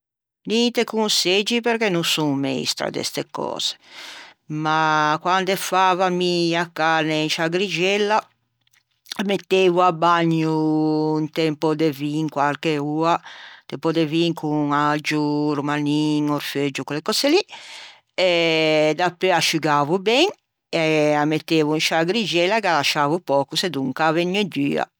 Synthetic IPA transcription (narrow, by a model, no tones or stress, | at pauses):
nint̪ekunsed͡ʒipeɾkenːunsuŋmḛḭst̪ɾa̰d̪ɛ̰st̪ḛkɔ̰ːz̥e̥ | makwand̪ɛfaːvamiakːanent͡ʃaɡɾid͡ʒɛlːa | met̪ːeːvuabaɲːuːnt̪ɛmpɔd̪eviŋkwalkeuːat̪ɛmpɔd̪eviŋkuŋad͡ʒuɾumaniŋɔɾfed͡ʒːukolekɔseli | ɛd̪apːɾeaʃuɡavubɛŋ | ɛamːet̪ːeːvuinʃaɡɾid͡ʒɛlːakalaʃaːvupɔːkused̪uŋkaveɲːɛd̪yːa̰